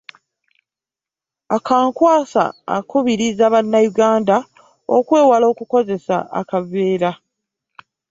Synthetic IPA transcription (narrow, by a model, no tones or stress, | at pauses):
akʰaːŋkwaːsa̰ːkuβiɾizaβanːajuɡaːnda | o̰kwe̞ːwalo̞ːkuko̞ze̞sa̰a̰kaveːɾa